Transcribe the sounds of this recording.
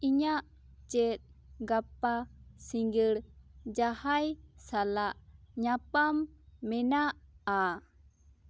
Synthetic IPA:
iɲaʔ | t͡ʃɛt̪̚ˀɡapasiŋɡəɽd͡ʒahajsalaʔɲapamːɛnaʔa

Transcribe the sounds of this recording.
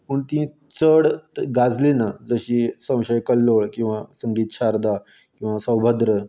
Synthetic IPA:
pəɳt̪ĩ | t͡səɽɡad͡zlinad͡zəɕiːsə̃w̃ɕəjkəlːoɭkĩw̃ʋasəŋɡiːt̪̚t͡ɕʰaɾd̪a | kĩw̃ʋasə̃wbʱəd̪ɾə

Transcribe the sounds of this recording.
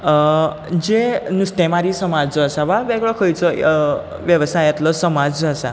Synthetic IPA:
d͡ʒenust̪emaɾisəmad͡ʒəʃaʋaʋɛɡɭɔkʰɔjt͡ʃʰɔ | ʋjəʋsajet̪lɔsəmad͡ʒəsa̰

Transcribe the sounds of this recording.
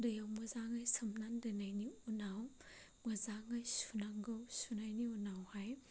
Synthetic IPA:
dɯjawmɯzaŋajsɐmnandɯnajniunaw | mɯzaŋajsunaŋɡɯwsunajniunawhaj

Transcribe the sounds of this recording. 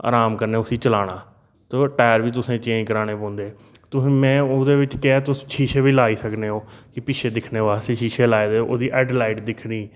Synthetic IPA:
a̰ːɾaːmkəɾneːʊsĩːt͡ʃəlaːɽ̃aː | t̪oːʈɛːɾʋiːt̪̬ʊsẽːt͡ʃẽːkəɾaːñeːpõːnd̪eː | t̪ʊsĩːmɛ̃ːod̪eːʋɪt͡ʃkɛɛːt̪ʊsʃʰiːʃeːbiːlaːiːsəkneːoːkɪpɪʃʰeːd̪ɪkʰneːʋaːseʃiːʃeːlaːeːd̪eːoːd̪iːʔɛːɖlaːɪʈd̪ɪkʰniː

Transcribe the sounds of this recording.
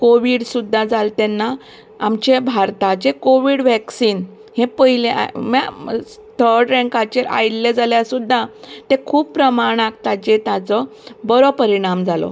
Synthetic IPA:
koʋiːɽsud̪ʱːad͡zalt̪ɛnːaː | mt͡ɕebʱaɾt̪ad͡ʑekoʋiːɽʋɛksiːn | hẽpəɦileʔa̰ma | t̪ʰəɾɽɾɛ̃ŋkat͡ɕeɾʔa̰jiɽled͡zaljasud̪ʱːat̪ẽkʰuːbpːɾəmaɽ̃ak̚t̪at͡ɕet̪at͡sɔbəɾɔpəɾiɽ̃amd͡zalɔ̰

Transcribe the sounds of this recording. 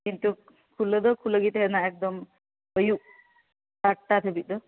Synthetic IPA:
kint̪u | kʰuləd̪əkʰuləɡit̪ɦenaek̚d̪əm | bəju | tak̚t̪at̪ʰebid̪ə

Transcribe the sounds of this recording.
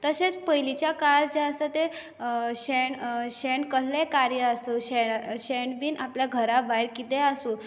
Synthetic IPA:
t̪əset͡spəjlit͡ɕjakald͡ʑeasat̪e | ɕeɳɕeɳkəɽlekaɾjəasəɕɛɕɛɳɖbiːnapljaɡʱəɾaʋajɭkit̪easu

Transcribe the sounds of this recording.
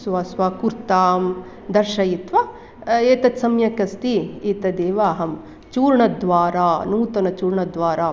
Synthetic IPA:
sʋaːsʋaːkuɾt̪aːm | d̪ɐɾʃɐjit̪ʋɐ | eːt̪ɐt̪sɐmjɐkɐst̪iiːt̪ɐd̪eːʋaːɦɐm | t͡ʃuːɾɳɐd̪ʋaːɾaːnuːt̪ɐnɐt͡ʃuːɾɳɐd̪ʋaːɾaː

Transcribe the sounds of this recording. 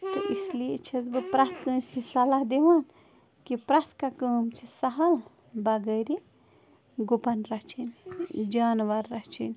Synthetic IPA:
t̪ɨʔisliet͡ʃʰɐzbɨpɾat̪ʰkə̃sʰisɐlaɦd̪eʋaːn | kipɾat̪ʰkakəːmt͡ʃʰisɐɦɐl | bɐɡəɾi | ɡupɐnɾɐt͡ʃʰind͡ʒaːnʋɐɾːɐt͡ʃʰinʲ

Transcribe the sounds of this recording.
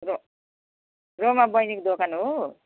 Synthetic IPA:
ɾo | ɾomabʌjnikd̪okanɦo

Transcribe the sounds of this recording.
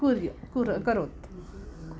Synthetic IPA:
uɾjkuɾəkəɾot̪

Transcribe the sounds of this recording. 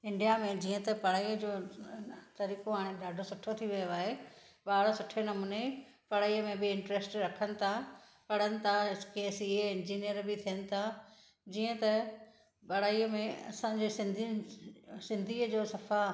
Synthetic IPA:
ɪ̃ɳɖijamẽd͡ʑiːə̃t̪ɐpɐɽaːid͡ʑoː | t̪ɐɾiːkoaːɽ̃eɖaːɖʱosʊʈʰːot̪ʰiʋijoaːɦe | baːɽosʊʈʰːenɐmuːne | pɐɽaːiəmẽbɪɪ̃ɳʈɾeːsʈɾɐkʰənɪ̆t̪ʰa | pɐɽ̤ənɪ̆t̪ʰakeːsiɦeɪ̃nd͡ʑiːnijəɾbɪt̪ʰijənɪ̆t̪ʰa | d͡ʑiːə̃t̪ɐ | pɐɽ̤aːiːmẽɐ̰sãd͡ʑeːsɪ̃nd̪i | sɪ̃nd̪ʱiːəd͡ʑoːsɐfa

